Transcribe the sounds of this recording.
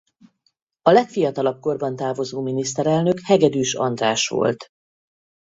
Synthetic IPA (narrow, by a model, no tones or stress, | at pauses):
ɒlɛkfijɒt̪ɒlɒb̚ko̞rbɒnt̪aːvo̞zoːminist̪ɛɾɛlnøkhɛɡɛd̪yːʃɒ̰nd̪raːʃʋo̰lt̪